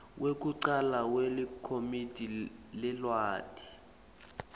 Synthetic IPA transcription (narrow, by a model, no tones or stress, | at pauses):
wʔek̬ʼuǀalawelikʰomid̥ʱʼilɛlwaːd̥ʱi̥